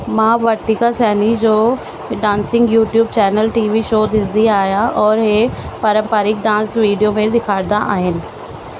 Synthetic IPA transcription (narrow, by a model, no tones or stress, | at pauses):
mãːʋəɾt̪ikasɛːnid͡ʒoː | ɖãːnsɪ̃ŋɡjuːʈjuːbt͡ʃɛːnəlʈiːʋiʃoːd̪ɪsd̪iaːjaʔɔːɾɦeːpəɾə̃mpaːɾɪk̚ɖ̪ãːnsʋiːɖijoːmed̪ɪkʰaːɾd̪aʔaːɦɪn